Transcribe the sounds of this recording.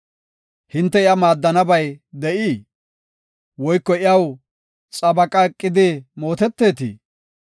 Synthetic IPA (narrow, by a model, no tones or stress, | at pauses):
hɪnt̪ːɛɪɐmaːd̪ːɐnɐbɐjd̪ɛʔiː | wɔjkːɔɪjɐw | t͡sʼɐbɐkʼɐɛkʼːɪd̪ɪmo̞ːt̪ɛt̪ːe̞ːt̪ḭː